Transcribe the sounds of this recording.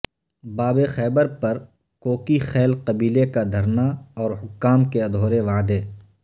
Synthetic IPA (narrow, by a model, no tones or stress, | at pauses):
baːbexɛːbəɾpɐɾ | koːkixɛːlqɐbiːlekad̪ʱɐɾnaɔːɾɦʊkːaːmkeɐd̪ʱoːɾeʋaːd̪eː